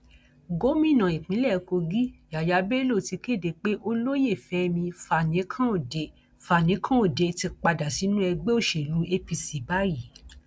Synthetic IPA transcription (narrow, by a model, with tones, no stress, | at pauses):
ɡo˨˦mĩ˦˨nã˨i˨k͡pĩ˨˦lɛ˦˨˧ko˧ɡi˦ja˨ja˨˦be˦lo˦˨ti˧ke˦˨de˨k͡pe˦ʔo˧lo˦je˦˨fɛ˨˦mĩ˧fa˨nĩ˨˦kʰã˦o˦˨de˧˦ | fa˨nĩ˨˦kʰã˦o˦˨de˨˧ti˧k͡pa˧da˨si˨˦nũ˦ɛ˧ɡ͡be˦o˦˨ʃe˨lu˨˦e˧pi˧si˨ba˦ji˦˨